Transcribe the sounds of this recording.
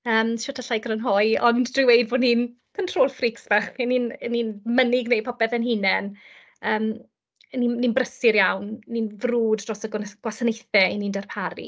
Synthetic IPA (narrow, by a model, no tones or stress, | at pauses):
əːmʃɔtʰaɬajɡrənɦɔɨɔndd̥rɪwejdvoniːn | kʰəntʰr̥oːlˠfriksvaχɛninɛniːnmənɪɡnejpʰɔbɛðɛnɦinɛn | əːm | nininbrəsɪɾjawnninvruːdrɔsəɡɡ̥wasənejθɛiniːndərpʰaɾḭ